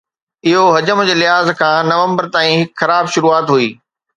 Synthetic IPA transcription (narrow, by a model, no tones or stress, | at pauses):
ɪɦoɦɐd͡ʑəmd͡ʑeːlɪɦaːzkʰãːnɐʋə̃mbəɾt̪aːĩɦɪkxɐɾaːbʃʊɾuːaːt̪ɦuiː